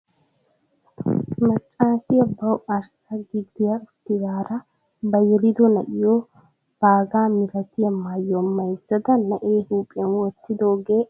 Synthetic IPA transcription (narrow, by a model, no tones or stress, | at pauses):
mɐt͡ʃʼːaːsɪjɐbɐwɐɾsɐɡɪd̪ːɪjaʊt̪ːɪɡaːɾɐ | bɐjɛlɪd̪ɔnɐ̰ʔɪjoː | b̥aːɡaːmɪɾɐt̪ɪjɐmaːjːɔmːɐjzɐd̪ɐnːɐʔeːhuːpʼːɪɐnwɔt̪ːɪd̪oːɡeː